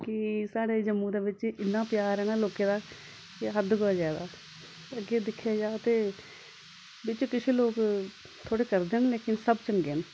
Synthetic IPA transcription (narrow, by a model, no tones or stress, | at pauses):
kɪsaːɽeːd͡ʒəmːũːd̪eːʋɪt͡ʃɪnːãːpɪjaːɾɾɛːnaːloːkẽːd̪aː | kɪɦəd̪ɡoːaːd͡ʒaːed̪aː | əɡeːd̪ɪkʰːjaːd͡ʒaːt̪eː | ʋɪt͡ʃkɪt͡ʃʰeːloːk | t̪ʰoːɽeːkəɾd̪eːnleːkɪnsəbt͡ʃəŋɡeːn